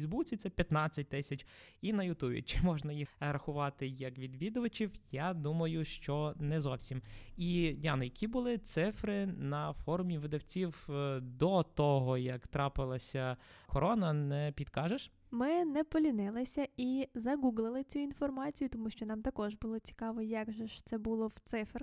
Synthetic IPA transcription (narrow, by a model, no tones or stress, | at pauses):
zbut͡sʲit̪ɛpʲjɐt̪nɑt͡sʲːɐt̚ʲt̪ɪsʲɐt͡ʃʲinɐjʊt̪ubʲḭt͡ʃɪmɔʒnɐjixɾɐxʊʋɑt̪ɪjɐkʋʲid̪ʋʲid̪ʊʋɐt͡ʃʲiwjad̪umɐjʊʃt͡ʃɔnɛzɔwsʲimidʲɑnɔjɐkʲibʊlˠɪt̪sɪfɾɪnɐfɔɾʊmʲiʋɪd̪ɐwt͡sʲiwd̪ɔt̪ɔɦɔjɐkt̪ɾɑpɪlˠɐsʲɐkɔɾɔnɐnɛpʲid̪kɑʒeʃ | mɪnɛpɔlʲinɪlˠɪsʲɐizɐɡuɡlˠɪlˠɪt͡sʲuinfɔrmɑt͡sʲijʊt̪ɔmuʃt͡ʃɔnɑmt̪ɐkɔʒbʊlˠɔt͡sʲi̥kɑʋɔjaɡʒɔʃt̪sɛbulˠɔwt̪sɪfr